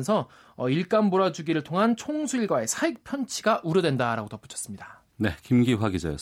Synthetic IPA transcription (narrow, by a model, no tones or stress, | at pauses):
nsʰʌ | ʌiɭk͈amboɾad͡ʑuɡiɾɯɭtʰoŋɦant͡ɕʰoŋsʰuiɭɡwae̞sʰaik̚pʰjʌnt͡ɕʰiɡaʔuɾjʌdwe̞ndaɾaɡotʌp͈u̥t͡ɕʰʌ̥s͈ɯmɲida | ne̞kimɡiɸwaɡid͡ʑa̰jʌ